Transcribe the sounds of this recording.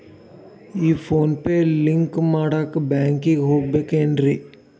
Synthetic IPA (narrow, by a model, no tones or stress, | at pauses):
iːpʰoːnpelɪŋkmaːɽakbɛːŋkĩɡɦoːbekẽːndɾi